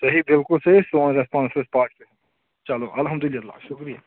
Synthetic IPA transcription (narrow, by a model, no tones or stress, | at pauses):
sɐɦibɪlkʊlseisonɾespãːnsɾespaːɾʈseɦɐ̃ | t͡ʃaloʔɐlɦɐmd̪ʊlɪːɐlːa̰ːʃʊkɾija̰